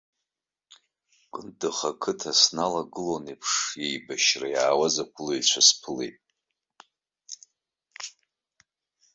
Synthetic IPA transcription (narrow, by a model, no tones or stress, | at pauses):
kʷʼɨndɨχakʰɨtʰasnalaɡɨlonipʰʂjejbaʃrajaːwazakʷʰʊlojt͡ʃʷʰaspʰɨlḛjtʼ